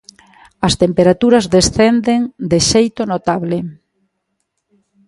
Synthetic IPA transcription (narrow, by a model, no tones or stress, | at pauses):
ɐst̪empeɾat̪uɾɐzðesθend̪eŋd̪eʃejt̪onot̪aβlɪ